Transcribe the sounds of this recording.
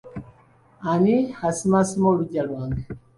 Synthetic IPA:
anihasimasimɔluɟalwaŋɛ

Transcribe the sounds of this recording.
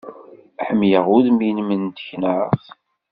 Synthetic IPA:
ħəmjəʁʊðminmənt̪çnəʁ

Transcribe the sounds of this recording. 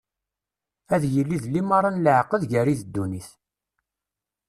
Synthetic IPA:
æðjəlːiðlːimɑɾˤɑnləʕqəðʝæɾiðəd̪ːuniθ

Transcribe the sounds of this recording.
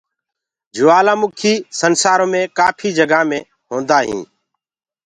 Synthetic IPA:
d͡ʒʊːaːlãːmʊkʰiːsənsaːɾõːmẽːkaːpʰiːd͡ʒəɡaːmẽː | ɦõːnd̪aːɦḭ̃ː

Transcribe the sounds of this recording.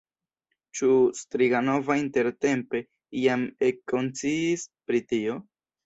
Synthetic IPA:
t͡ʃustɾiɡano̞vainte̞ɾte̞mpe̞ | iamekːo̞nt͡siːspɾitio̞

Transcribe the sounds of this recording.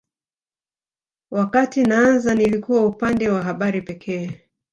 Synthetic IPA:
wʔakatinaanzanilikuwaupandɛwaɦaɓaɾipɛkʰɛː

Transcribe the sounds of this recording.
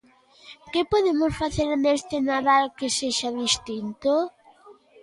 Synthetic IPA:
kepoðemʊsfaθeɾnest̪ɪnaðalkeseʃaðist̪int̪o

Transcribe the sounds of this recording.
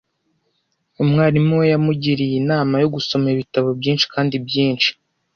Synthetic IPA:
umŋaːɾimuwejamuɟiɾijinaːmajo̞ɡuso̞meiβitaβo̞bjiːnʃi̥kʰaːndibjiːnt͡ʃi̥

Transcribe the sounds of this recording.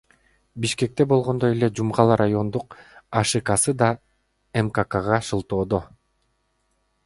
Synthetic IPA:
biʃke̞k̚t̪e̞bo̞lˠʁo̞nd̪o̞je̞le̞d͡ʒumʁɑlˠɑɾajo̞nd̪uqɑʃɯkɑsɯd̪ɑ | emkakaʁɑʃɯlˠt̪o̞ːd̪o

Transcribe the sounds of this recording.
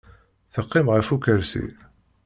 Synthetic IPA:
θəqːɪmʁəfukəɾsḭ

